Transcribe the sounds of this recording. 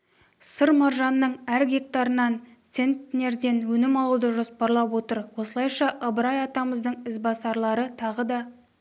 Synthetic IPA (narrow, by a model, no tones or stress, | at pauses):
səɾmɑɾʒɑnːəɴæɾɡʲe̞k̚t̪ɑɾənɑnt̪se̞nt̪ne̞ɾd̪e̞nwɵnɪmɑlˠud̪əʒo̞spɑɾlˠɑpwo̞t̪əɾwo̞səlˠɑjʃɑʔəbəɾɑjɑt̪ɑməzd̪əɴɪzbɑsɑɾlˠɑɾət̪ʰɑʁəd̪ɑ